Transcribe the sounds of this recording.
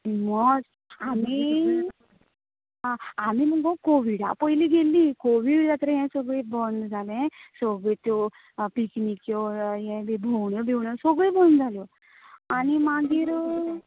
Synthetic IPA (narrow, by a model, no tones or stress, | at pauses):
mɔd͡z | ami | ɦãamiməɡɡɔkoʋiɽa̰pəjliɡelːikoʋiɽjat̪ɾeɦɛ̃səɡɭebɔnd̪d͡zʱalɛ̃sɔɡet̪jɔ | piknikjɔjɛ̃bebʱɔwɳjɔbʱewɳjɔsɔɡɭebɔnd͡zʱaljɔ | animaɡiːɾ